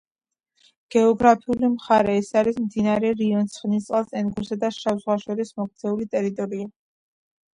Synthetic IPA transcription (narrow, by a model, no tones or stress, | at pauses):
ɡ̥ɛɔɡɾapʰiulimχaɾɛːsaɾismd̪inaɾɛɾiɔnt̪sʰχnist̪sʼɛlˠsʼɛnɡuɾsad̪aʃavzʁwaʃɔɾismɔkt̪sʰɛulit̪ʼɛɾit̪ʼɔɾia